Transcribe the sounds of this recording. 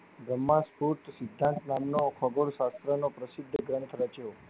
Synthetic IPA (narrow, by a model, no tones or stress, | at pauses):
bɾəmːãspuɾʈ̪sɪd̪ʱːãnt̪namnokʰɔɡoɭʃast̪ɾənopɾəsɪd̪ʱːəɡɾənt̪ʰɾət͡ʃeo